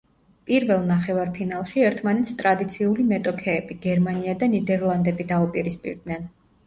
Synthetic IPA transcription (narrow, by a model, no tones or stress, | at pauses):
pʼiɾvɛlˠnaχɛvaɾpʰinalˠʃiɛɾt̪ʰmanɛt̪sʰt̪ʼɾad̪it̪sʰiulimɛt̪ʼɔkʰɛːbiɡ̥ɛɾmaniad̪anid̪ɛɾlˠand̪ɛbid̪aupʼiɾispʼḭɾd̪nɛn